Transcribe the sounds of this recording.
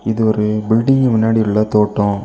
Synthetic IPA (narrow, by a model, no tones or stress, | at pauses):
ɪðɯɔɾɯbɪlɖɪŋɡmʊnːaːɽɪɯɭːɐt̪oːʈːõ